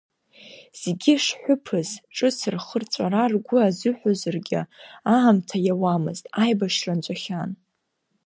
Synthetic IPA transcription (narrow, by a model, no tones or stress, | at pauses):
z̥eɡʲɪʂħʷʊpʰɨzʈ͡ʂʼɨsʰɨrχərt͡ɕʷʼaɾarɡʷʊazɨħʷᶣozɨrɡʲɪ̰aamtʰajawamɨ̰ztʼajbaʂrant͡ɕʷʼaχʲan